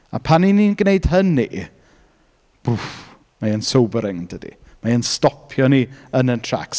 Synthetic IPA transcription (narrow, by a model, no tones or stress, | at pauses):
a̰pʰanininɡneɨd̥ɦəni | b̥u | maənsowbəɾɪŋdədḭ | maənstɔpʰjɔniənəntʰra̰ks